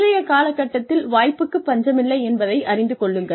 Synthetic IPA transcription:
ɾɐjɐkaːlɐkːɐʈːɐt̪ːɪlʋaːjpːɯkːɯpːɐɲd͡ʒɐmɪlːɐɪɛnbɐðɐɪɐrɪnd̪ɯkɔɭːɯŋɡɐ

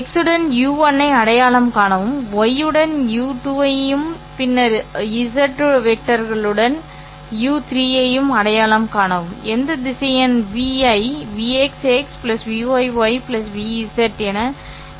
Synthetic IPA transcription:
ɛksɯɽɐnjuːʋɐnːɐɪɐɽɐjaːɭɐmkaːɳɐʋɯmɔjɯɽɐnjuːʈuːɐɯm | pɪnːɐɾiɪs̬ɐɾʈːʋɛk̚ʈːɐɾɣɐɭɯɽɐn | juːt̪ɾiːjɐjɯmɐɽɐjaːlɐmkaːɳɐʋɯmɛnd̪ɐd̪ɪsɐjɐnʋiːɐɪʋiːɛksekspɪlɐsʋiːʋɐɪʋɐɪpɪlɐsʋiːɪsɐɾʈɛnɐ

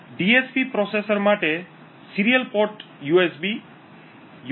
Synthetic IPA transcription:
ɖiespipɾɔsesəɾmaʈe | siɾiəlpoɾʈjuesbi | j

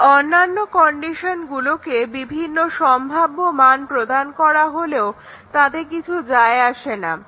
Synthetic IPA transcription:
ɔnːanːokɔɳɖiʃonɡulokebibʱinːoʃɔmbʱabːomanpɾod̪ankɔɾaɦoleo | t̪ad̪eɾkit͡ɕʰud͡ʑaeaʃena

